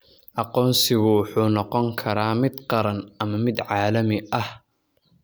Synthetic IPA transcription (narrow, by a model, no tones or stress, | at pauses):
ʔɑqɔːnsɪɣʊwħuːnɔqɔŋkʰɐɾaːmɪd̪qɑɾɐnʔɐmɐmɪd̪ʕɑːlɐmɪʔɐh